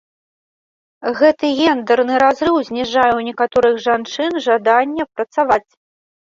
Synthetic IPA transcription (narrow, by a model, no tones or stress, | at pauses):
ɣɛt̪ɨɣʲɛnd̪ɛrnɨɾazɾɨwzʲnʲiʐajɛwnʲɛkat̪ɔɾɨɣʐant͡ʂɨnʐad̪anʲːɛpɾɐt̪savat͡sʲ